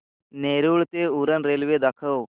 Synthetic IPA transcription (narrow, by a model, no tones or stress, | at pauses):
neːɾuːɭt̪euɾənɾeːlʋed̪ɐkʰəw